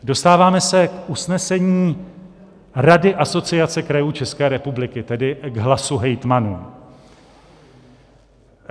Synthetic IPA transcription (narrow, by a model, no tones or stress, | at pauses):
do̞st̪aːvaːmɛsɛkʔusnɛsɛɲiː | ɾadɪʔaso̞t͡sɪat͡sɛkɾajuːt͡ʃɛskɛːɾɛpublɪkɪt̪ɛdɪɡɦlasuɦɛjt̪manuː